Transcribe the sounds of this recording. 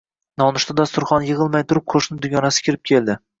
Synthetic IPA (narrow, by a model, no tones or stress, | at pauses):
nɒnɪʃt̪ad̪ɒst̪ʊɾχɒnjɪʁɨlˠmajt̪ʰʊɾɪp̚qʰoʃnɪd̪ʊɡʲɒnasɪ̥kʲʰɪɾɪp̚kʲʰeld̪ɪ